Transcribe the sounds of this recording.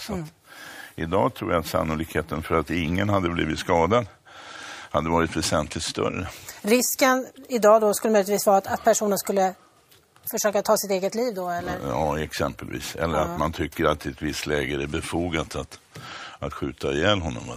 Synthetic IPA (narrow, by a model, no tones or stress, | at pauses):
sat̪ | ɪd̪ɑ̰ːt̪ʰɾuːjaat̪sa̰nːʊlɪkheːt̪ənfœɾat̪ɪŋːənhad̪ːəbliːvɪt̪skɑːd̪ad̪ | had̪ːəvɑːɾɪt̪vɛsɛnt̪ʰlɪt̪st̪œ̰ɾːəɾɪskənɪd̪ɑːd̪ɔskɵlːəmœjlɪt̪viːsvɑːɾat̪at̪̚pʰæʂuːnənskɵlːə | fœʂøːkat̪ʰɑːsɪt̪eːɡət̪liːvd̪ɔɛlːəɾjɑːɛksɛmpə̰lvḭːsɛ̰lːəɾat̪mant̪ʰʏkːəɾat̪ːɪɛt̪vɪst̪lɛːɡəɛbɛfuːɡat̪at̪ | at̪ɧʉ̟ːt̪ajɛːlɦɔnːɔ̰m